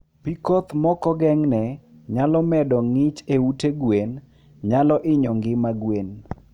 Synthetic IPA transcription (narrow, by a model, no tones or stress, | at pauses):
pikɔt̪mɔkɔɡɛŋnɛ | ɲalɔmɛdɔŋɪt͡ʃeuteɡwen | ɲalɔʔɪɲɔŋɡɪmaɡwen